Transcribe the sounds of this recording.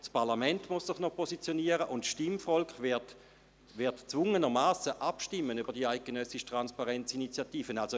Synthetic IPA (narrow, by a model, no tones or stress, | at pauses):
spaɐlamɛntmʊssɪχnɔpʰosit͡sjoniəʁəʔʊntʃtimfɔlkχʋɪt | ʋɪɐtt͡svʊŋənəmaːsəʔapʃtɪmːənyb̥ɐʁd̥iaɪɡ̥enœsɪʃtʁanspaʁɛnt͡sinit͡sjatiːfənalso